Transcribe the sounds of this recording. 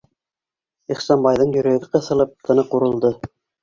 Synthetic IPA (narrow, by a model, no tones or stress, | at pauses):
iχsɑnbɑjðɤɴjɵ̆ɾæɡɘqɤ̆θɤ̆lˠɤp̚t̪ʰɤ̆nɤquɾɤ̆lˠd̪ɤ